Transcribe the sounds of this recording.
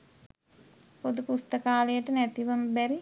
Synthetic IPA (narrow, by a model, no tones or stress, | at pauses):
pod̪upust̪əkaːləjəʈənæt̪iʋəmbæɾi